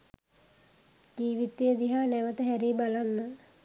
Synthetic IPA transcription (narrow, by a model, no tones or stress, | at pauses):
d͡ʒiːʋit̪ːijəd̪iɦaːnɛʋət̪əɦæɾibalanːə